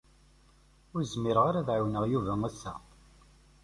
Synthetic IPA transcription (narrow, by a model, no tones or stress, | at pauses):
ʊɾzmiɾəʁaɾæðʕawnəʁjuvæŋæsːæ̰